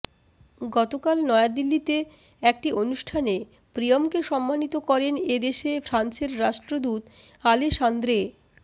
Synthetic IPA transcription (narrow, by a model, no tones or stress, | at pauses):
ɡɔt̪okalnɔead̪ilːit̪e | ɛk̚ʈionuʃʈʰane | pɾijomkeʃɔmːanit̪okɔɾened̪eʃefʰɾant͡ɕeɾːaʃʈɾod̪ut̪aleʃand̪ɾe